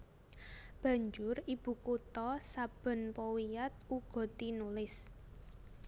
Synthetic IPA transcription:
b̥ä̤ɲd͡ʒʊrib̥ṳkut̪ɔsab̥ə̤npɔwijat̪̚uɡ̥ɔ̤t̪inulɪs

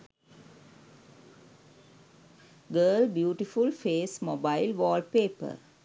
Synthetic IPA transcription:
ɡəːlbjuːʈifulfeːsmobaɪlʋɔːlpeːpə̰ɾ

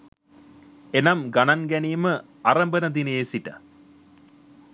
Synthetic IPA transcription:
enɐmɡɐnɐnɡænijumə | arɐmbənɐd̪ineːsiʈːɐ̰

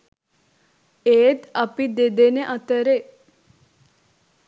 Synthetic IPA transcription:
eːd̪ɐpid̪ed̪eneʔɐt̪əɾe

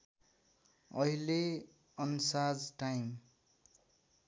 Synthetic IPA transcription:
ʌɦile | ʌnsad͡zʈajm

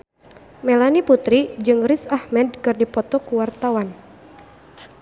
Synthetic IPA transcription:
mɛlaniput̪ɾid͡ʒɨŋrisahmɛd̚kɨrdipɔt̪ɔkuwart̪awan

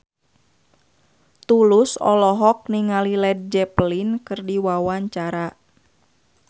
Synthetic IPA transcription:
t̪ulʊsɔ̰lɔɦɔk̚niŋalilɛd̚d͡ʒɛplinkɨrdiwawaɲt͡ʃaɾa

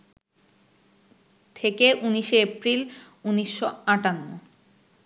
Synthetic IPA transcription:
t̪ʰekeʔuniʃeepɾil | uniʃːoaʈanːo̰

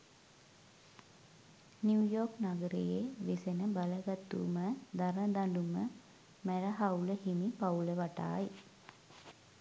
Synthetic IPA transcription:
njuujoːknaɡəɾḛjeʋesenəbaləɡat̪ːṵməd̪aɾməd̪aɳɖumə | mæɾəɦawləhimipauləʋaʈa̰ːj

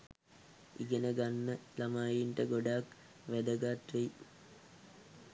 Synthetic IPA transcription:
ḭɡenəɡanːəlamaːjiɳʈəɡoɖaːk | ʋæd̪əɡaːt̪rej

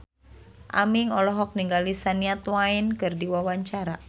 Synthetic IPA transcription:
ʔa̰miŋɔlɔɦɔk̚niŋɡalisaniat̪wainkɨrdiwawaɲt͡ʃaɾa

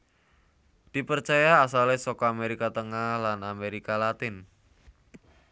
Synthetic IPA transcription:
d̪̥i̤pərt͡ʃajaːsalesɔkɔameɾikat̪əŋahlanameɾikalat̪ɪn

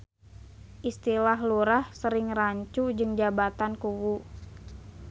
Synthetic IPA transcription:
ʔist̪ilaɦluɾahsəɾɪŋraɲt͡ʃud͡ʒɨŋd͡ʒabat̪ankuwu

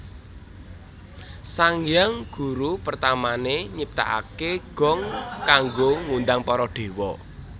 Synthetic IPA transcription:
saŋjaŋɡ̥ṳɾupərt̪amaneɲip̚t̪a̰ʔa̰keɡ̥ɔ̤ŋkaŋɡoŋund̪aŋpɔɾɔɖ̪̥e̤wɔ̰

